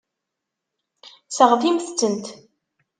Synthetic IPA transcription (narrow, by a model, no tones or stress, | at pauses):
səʁθimθt͡sːənt̪